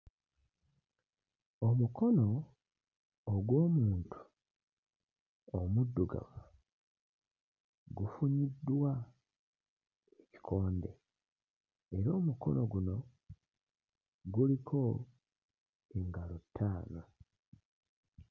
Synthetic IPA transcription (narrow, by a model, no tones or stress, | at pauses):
omuko̞no̞ | ɡwo̞ːmuuːntʰu̥ | omudːuɡa̰ma | ɡufuɲidːwa | eci̥kʰoːnde̞̰ | eɾo̞ːmukʰo̞̰no̞ɡuno̞ | ɡulikʰo̞ | eŋɡalotʰːaːna